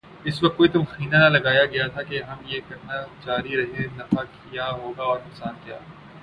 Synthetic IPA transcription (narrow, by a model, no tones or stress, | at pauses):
ɪsʋɐk̚t̪̚koːit̪ʊmxiːnanalɐɡaːjaɡɐjat̪ʰakeɦɐmjekɐɾnad͡ʒaːɾiɾɐɦẽnɐfakʰijaɦoːɡaɔːɾnʊksaːnkija̰ː